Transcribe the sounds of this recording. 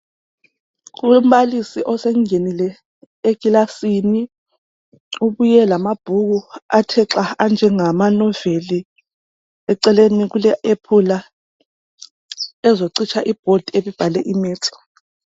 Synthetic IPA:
kum̩βalisiʔɔseŋŋenilɛ | eɡ̥ʱilasini | uβujɛlamab̥ʱuɣuatʰɛǁaand͡ʒʱɛŋamanɔveli | ɛǀɛleniɣulɛʔepʰula | ɛzoǀit͡ʃʰaʔib̥ʱod̥ʱieβib̥ʱalɛʔimɛːt͡sʰɔ̥

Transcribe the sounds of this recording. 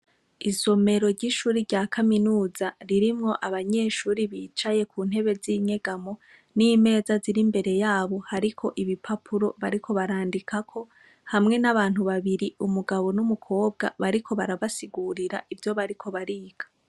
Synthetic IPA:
izo̞me̞ɾo̞ɾɟiʃuːɾiɾɟaːkʰaminuːzaɾiɾimŋo̞ʔaβaɲe̞ːʃuːɾiβiːt͡ʃaje̞kʰuːn̥he̞βe̞ziɲe̞ɡamo̞ | nime̞ːzaziɾimbe̞ɾe̞jaːβo̞haɾikʰo̞ʔiβipʰapʰuɾo̞βaɾikʰo̞βaɾaːndikʰakʰo̞ | hamŋe̞naβaːn̥huβaβiɾiumuɡaβo̞numukʰo̞ːb̚ɡa̰βaɾikʰo̞βaɾaβasiɡuɾiɾa̰ʔivjo̞βaɾikʰo̞βaɾiːɡ̥ḁ

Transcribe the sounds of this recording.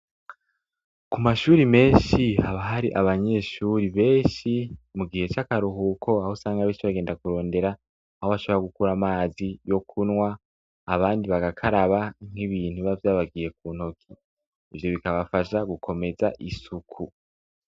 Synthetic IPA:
kumaʃuːɾime̞ːnʃihaβaɦaɾiʔaβaɲe̞ʃuɾiβe̞ːʃimuɡihe̞t͡ʃakaɾuɦukʰo̞ahosaːŋɡaβeːnʃiβaɡe̞ːndakuɾo̞ːnde̞ɾaː | ho̞βaʃo̞βeaɡukuɾamaːzijo̞kʰunŋwaː | βaːndiβaɡakʰaɾaβaŋ̥hiβiːn̥uβavjaːβaɡije̞k̚uːnho̞kʰiː | vjo̞βikaβafaʃaɡukʰo̞me̞zaʔisukʰu

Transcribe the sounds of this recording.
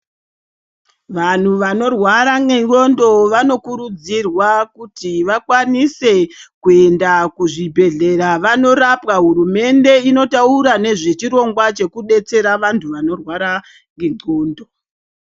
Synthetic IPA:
ʋan̤uʋano̞rwaɾaŋɡeŋɡo̞ndo̞ʋano̞kuɾud͡zirwakutiʋakwanise̞kue̞ndakuʐibʱe̞ɮe̞ɾaʋano̞ɾapɣaɦuɾume̞nde̞ino̞tauɾane̞ʐe̞t͡ʃiɾo̞ŋɡwat͡ʃe̞kuɗe̞t͡se̞ɾaʋantʰuʋano̞rwaɾa | ŋɡeŋo̞ːndo̞

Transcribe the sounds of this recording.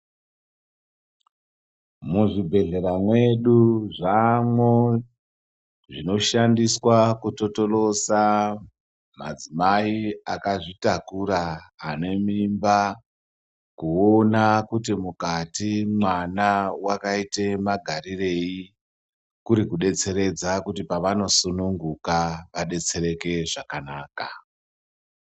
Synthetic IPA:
muʐibʱe̞ɮe̞ɾamwe̞ɗuʐamwo | ʐino̞ʃandiswakuto̞to̞lo̞sa | ma̰d͡zimaiakaʐitakuɾaːne̞mimba | kuonakut̬imukatimwanawakaite̞maɡʱarire̞i | kuɾikuɗe̞t͡se̞ɾe̞d͡zakutipaʋano̞sunuŋɡukaʋaɗe̞t͡se̞re̞ke̞ʐakanaːka

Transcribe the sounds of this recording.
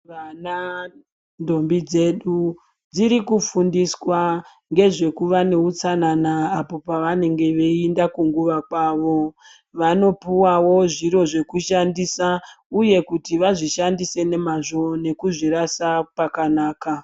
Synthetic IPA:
ʋana | ndo̞mbid͡ze̞ɗu | d͡ziɾikufundiswa | ŋɡe̞ʐe̞kuʋane̞ut͡sananaːpo̞paʋane̞ŋɡe̞ʋeindakuŋɡuʋakwaːʋo̞ | ʋano̞puwawo̞ʐiɾo̞ʐe̞kuʃandisa | uje̞kutiʋaʐiʃandise̞ne̞maʐo̞ne̞kuʐiɾasapakanaːka

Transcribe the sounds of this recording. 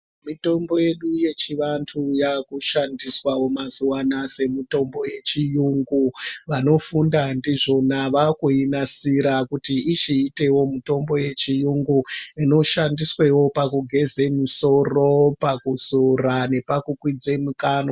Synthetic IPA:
mito̞mbo̞je̞ɗuje̞t͡ʃiʋantʰujakuʃandiswawo̞mazuwanase̞mito̞mbo̞je̞t͡ʃijuŋɡuʋano̞fundandiʐo̞naʋakuinasiɾakutiʔit͡ʃiːte̞wo̞muto̞mbo̞je̞t͡ʃijuŋɡuino̞ʃandiswe̞wo̞pakuɡʱe̞ze̞miso̞ro̞pakuzorane̞pakukwid͡ze̞mukaːno

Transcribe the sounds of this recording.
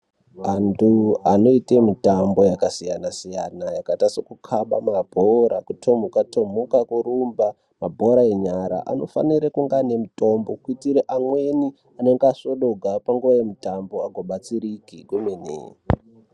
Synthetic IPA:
antuano̞itemitambo̞jakasijanasija̰najakatasokukʰaɓamabʱoɾakutʰomukatomukakuɾumba | mabʱoɾaeɲaɾa̰ʔa̰no̞̰fa̰niɾekuŋɡane̞muto̞mbo̞kuitiɾeʔamwe̞ni | ane̞ŋɡaso̞ɗo̞ɡʱapaŋɡuʋaje̞mutambo̞aɡʱoɓat͡siɾikiɡumenḛː

